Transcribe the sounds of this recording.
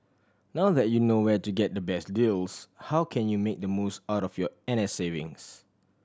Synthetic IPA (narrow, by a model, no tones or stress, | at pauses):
nawðɛt̚junowɛtuɡɛt̚dəbɛsdilshawkʰɛ̃njumek̚dəmusaʊtɔfjɔɛ̃nɛsevɪ̰̃ŋs